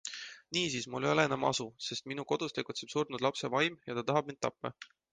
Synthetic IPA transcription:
niːsiːsmulːejoleenɑmɑ̰suse̞st̪minuko̞d̪̥ust̪eɡ̥ut̪se̞b̥surnud̪lɑpse̞vɑjmjɑt̪ɑt̪ɑɦɑb̥̚ind̪̚t̪ːɑpːɑ̰

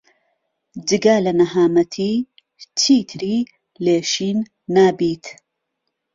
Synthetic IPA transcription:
d͡ʒɨɡalɐnɐhaːmɐt̪ʰiː | t͡ʃʰiːt̪ʰɨɾiː | leːʃiːnː | aːbiːt̪

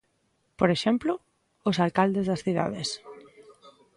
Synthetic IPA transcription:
poɾeʃemplo | osalkald̪ezðasθiða̰ðes

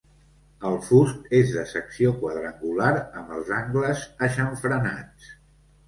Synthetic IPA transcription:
əlˠfust̪ezðəsəksiokwəð̞ɾəŋɡulaɾəmbəlˠzaŋɡləzəʃəɱfɾəna̰t͡s

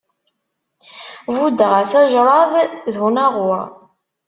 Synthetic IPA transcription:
vud̪əʁæθæʒɾˤɑðˤðnɑʁʊɾ

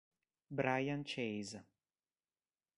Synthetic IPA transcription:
bɾajant͡ʃejz

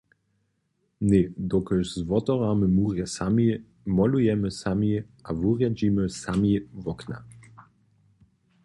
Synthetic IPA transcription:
ned̪ɔkɛʃzvɔt̪ɔvamɘmuʁjɛsamʲi | mɔlujɛmɘsamʲiʔavuʁjad͡ʑimɘsamʲivɔkna̰

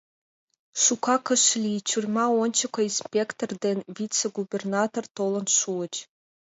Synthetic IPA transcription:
ʃukɑkə̆ʃlʲit͡ɕurʲmɑonʲt͡ɕə̆kŏinspʲekt̪ord̪envʲit͡seɡubʲernɑt̪ort̪olə̆nʃuət͡ɕ

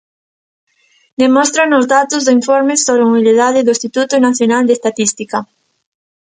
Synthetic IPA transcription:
d̪emɔst̪ɾanʊzðat̪ʊzðoiɱfɔɾmɪsoβɾeumiliðaðɪðʊest̪it̪ut̪ʊnaθjonald̪est̪at̪ist̪ikɐ

